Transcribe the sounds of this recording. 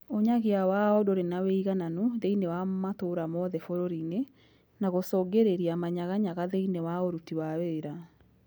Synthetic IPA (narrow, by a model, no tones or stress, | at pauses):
oɲaɣeawaɔdoɾenaweiɣananuðeinewamatoɾamɔðɛfoɾoɾine | naɣosɔːɡeɾeɾiamaɲaɣaɲaɣaðeinewaoɾutiwaweːɾa